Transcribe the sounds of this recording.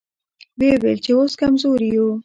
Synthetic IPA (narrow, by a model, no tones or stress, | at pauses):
wewelt͡ʃeoskamzoɾijo